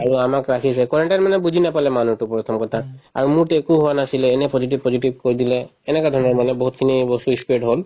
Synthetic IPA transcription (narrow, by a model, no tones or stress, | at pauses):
aɹuamakɹakʰis̬ɛkɔɹeɳʈanmanɛbud͡ʒʱinapalɛmanutupɹɔt̪ʰɔmkɔt̪ʰaa̰ɹumuɹtekuɦowanasilɛːnɛpɔzit̬ibpɔziʈib̚koɹid̪ilɛːnɛkad̪ʱɔɹɔnɔɹmanɛboɦut̪̚kʰinibɔst̪uispeʈɦol